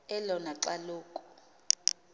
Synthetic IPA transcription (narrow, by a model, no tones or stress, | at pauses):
ɛlɔnaǀaluːkʼɔ